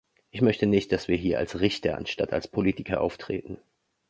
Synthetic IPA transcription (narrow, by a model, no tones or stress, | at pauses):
ʔɪçmœçtənɪçt̚d̥asv̥iːɐɦiːɐʔa̰lsʁɪçtʰɐa̰nʃta̰tʰa̰lspʰoliːtɪkʰɐʔa̰ʊftʁ̥ḛːtn̩